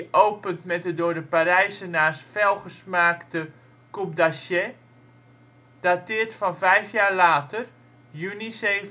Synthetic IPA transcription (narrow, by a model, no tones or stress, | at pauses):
ʔowpəntmɛt̚dədʊːɹdəpaɾɛjsənaːsfɛlˠχəsmaːktə | kup̚dasjɛ | d̥atɪərtfɑnvɛjfjaːrlaːtər | jyniseː